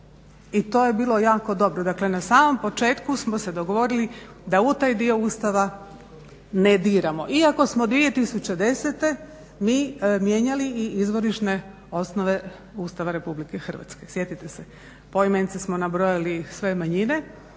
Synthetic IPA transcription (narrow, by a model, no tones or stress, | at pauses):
it̪o̞ːje̞biːlˠo̞jaːko̞d̪o̞bɾod̪akle̞nasaːmo̞mpo̞t͡ʃe̞ːt̪kusmo̞se̞d̪oɡoʋo̞ɾili | d̪aut̪aːjd̪io̞uːst̪aʋa | ned̪iːɾamo̞ʔiako̞smod̪ʋije̞t̪isut͡ɕed̪e̞set̪e̞ | miːmje̞ɲaliːizʋo̞ɾiʃne̞ | o̞snoʋe̞ | uːst̪aʋaɾe̞publike̞xr̩ʋa̰t̪ske̞sje̞t̪it̪ese | pojmenit̪sesmonabɾo̞jalisʋe̞maɲine̞